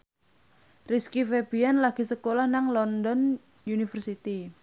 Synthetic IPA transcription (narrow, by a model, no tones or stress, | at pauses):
riskifeb̥ianlaɡ̥i̤səkolahnaŋlɔndɔn | junifərsit̪i